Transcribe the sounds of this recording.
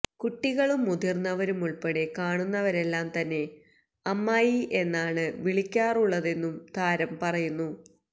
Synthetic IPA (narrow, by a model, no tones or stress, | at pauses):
kuʈːiɣɐɭumud̪irnːɐʋɐɾumuɭpeɽekaːɳunːɐʋɐɾe̞lːaːmt̪ɐnːe̞ | ɐmːaːjiʔe̞nːaːɳɨʋiɭikʲːaːruɭːɐðe̞nːumd̪ʱaːɾɐmpɐrɐjunːu